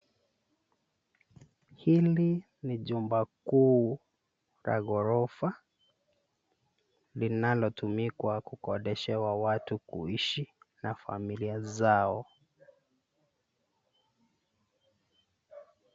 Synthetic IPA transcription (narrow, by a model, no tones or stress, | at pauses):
hili | niʄumbakuː | ɾa̰ɣɔɾɔfa | linalɔtumikwakukɔɗɛʃɛwawatukṵiʃinafa̰miliazaɔ